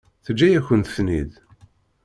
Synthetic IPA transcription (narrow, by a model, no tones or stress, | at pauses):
θəd͡ʒːæjæçənt̪snḭð